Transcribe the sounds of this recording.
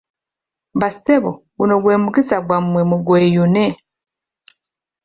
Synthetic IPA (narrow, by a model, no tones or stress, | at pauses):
baseβo | ɡunoɡweːmukisaɡwamwemuɡwejune